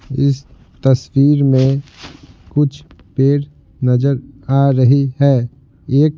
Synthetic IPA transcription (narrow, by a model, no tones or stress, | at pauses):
ɪs | t̪əswiːɾmẽ | kʊt͡ʃʰpeːɾ | nɐzəɾaːɾəɦiɦɛː | eːk